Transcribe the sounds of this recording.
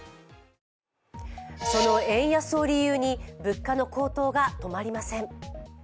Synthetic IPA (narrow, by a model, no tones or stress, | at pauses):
so̞no̞ẽ̞ɰ̃jaso̞ːɾʲijɯːɲ̟ibɯ̟kːano̞ko̞ːt̪o̞ːɡat̪o̞maɾʲimasẽ̞ɴ